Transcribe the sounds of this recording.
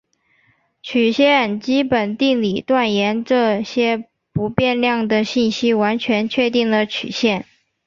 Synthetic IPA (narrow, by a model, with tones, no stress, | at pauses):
t͡ɕʰy˨˩ɕjɛ˥˩nt͡ɕi˥pə˨˩nt̪i˥˩ŋli˨˩t̪wa˥˩njɛ˧˥nʈ͡ʂɤ˥˧ɕjɛ˥ | pu˧˥pjɛ˥˧nljɑ˥˩ŋd̪ə˩ɕi˥˩nɕi˥wa˧˥nt͡ɕʰɥɛ˧˥nt͡ɕʰɥɛ˥˧t̪i˥˩ŋlə˩t͡ɕʰy̰˨˩ɕjɛ˥˩n